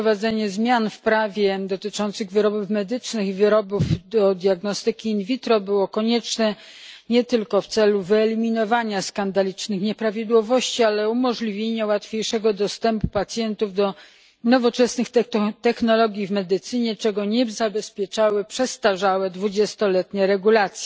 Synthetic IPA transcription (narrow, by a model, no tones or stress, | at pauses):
vad̪zɛɲɛzmʲjanfpɾavʲjɛd̪ɔt̪ɘt͡ʂɔnt̪sɘɣvɘɾɔbufmɛd̪ɘt͡ʂnɘxivɘɾɔbuvd̪ɔd̪ʲjaɡnɔst̪ɘkʲiːnvʲit̪ɾɔbɘwɔkɔɲɛt͡ʂnɛ | ɲɛt̪ɘlkɔft̪sɛluvɘɛlʲimʲinɔvaɲaskand̪alʲit͡ʂnɘxɲɛpɾavʲid̪wɔvɔɕt͡ɕialɛumɔʐlʲivʲjeɲawat̪fʲjejʂɛɡɔd̪ɔst̪ɛmpupat̪sʲjɛnt̪uvd̪ɔ | nɔvɔt͡ʂɛsnɘxt̪t̪ɛxnɔlɔɡʲjivmɛd̪ɘt̪sɘɲɛt͡ʂɛɡɔɲɛzabɛspʲjɛt͡ʂawɘpʂɛst̪aʐawɛd̪vud͡ʑɛst̪ɔlɛt̪ɲɛɾɛɡulat̪sʲjɛ̥